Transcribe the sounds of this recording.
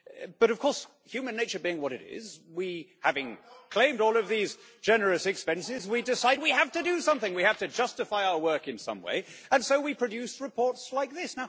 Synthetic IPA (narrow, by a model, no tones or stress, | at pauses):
b̥ʌɾʌv̥kʰɔɹs | hjʉmɨ̃nːeɪt͡ʃə˞biɪ̃ŋwʌɾɨɾɪ̰zwihævɪ̃ŋkʰl̥ẽɪ̃mdɔlˠʌvðiz | d͡ʒɛnə˞ɨsɨkspɛ̃nsɪzwidɨsaɪd̚wihæftɨdɨsʌ̃mθɪ̃ŋwihæftɨd͡ʒʌstɨfaɪaʊə˞wɜ˞kɨ̃nsʌ̰̃mwḛɪɨ̃nsoʊwipʰɹ̥ɨdjʉsɹɨpʰɔɹtslaɪk̚ðɪsnaʊ